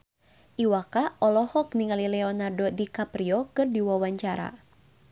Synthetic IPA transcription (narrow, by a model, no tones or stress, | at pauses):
ʔiwakaʔɔlɔhɔk̚niŋalilɛɔnardodikapɾiɔkɨrdiwawaɲt͡ʃaɾa̰